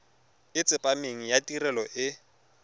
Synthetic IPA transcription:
ɪt͡sʼɪpʼameŋ̩jatirɛlɔʔɪ

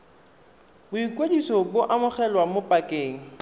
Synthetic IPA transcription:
bʊikʼwedisɔbʊʔamʊχɛlwamʊpʼakʼeːŋ̩

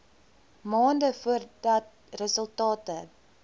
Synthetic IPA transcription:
mɑːndəfuərdɐt̚ | rəsəlˠtɑːtə

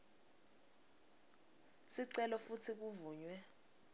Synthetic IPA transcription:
siǀɛlɔfutʰik̬uvuːɲwɛ

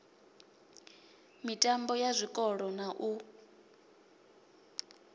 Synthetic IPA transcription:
mitʼambɔjazʷikʼɔɺɔnaʔu

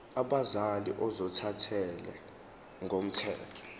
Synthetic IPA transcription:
aɓazalḭʔɔzɔtʰatʰɛlɛ̰ | ŋɡʱom̩tʰɛ̰ːtʰɔ̥

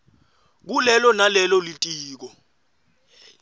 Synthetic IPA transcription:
k̬ulɛlɔnalɛlɔlitʼiːk̬ɔ

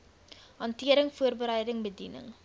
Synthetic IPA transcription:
ɦɐntiəɾəŋfuərbəɾəjdəŋbədinə̰ŋ

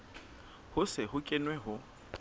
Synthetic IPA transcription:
hʊsɪhʊkʼɪnwɛɦʊ

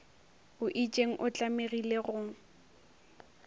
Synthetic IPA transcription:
ʊʔit͡ʃʼeŋ̩ʔʊt͡ɬʼameɣileɣʊŋ̩

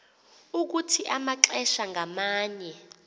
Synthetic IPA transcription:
uk̬utʰiʔamaǁɛʃaŋɡʱamaːɲɛ

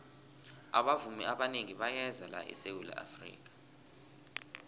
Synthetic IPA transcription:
aɓavumiaɓaneŋiɓajɛzala̰ʔɛ̰sewula̰ʔa̰frḭːk̬ḁ

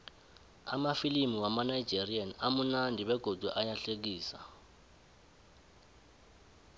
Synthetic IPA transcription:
a̰mafilimiwamanaid͡ʒerianamunandʱiβɛɡ̥ʱodʱuʔajaɬek̬iːsa̰

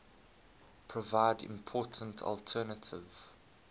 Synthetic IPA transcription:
pʰɹ̥ɔvaɪdɪ̰̃mpʰɔːˑtʰə̃ntʰɔ̰ltʰɛːnətʰɪv̥

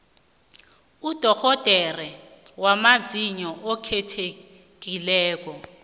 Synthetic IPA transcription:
ud̥ʱɔxɔd̥ʱɛrɛ | wamaziɲɔʔɔkʰɛtʰe | k̬ilɛːk̬ɔ

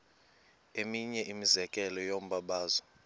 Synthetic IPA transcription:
emiɲɛʔimizɛkʼɛlɔjom̩ɓaɓaːzɔ

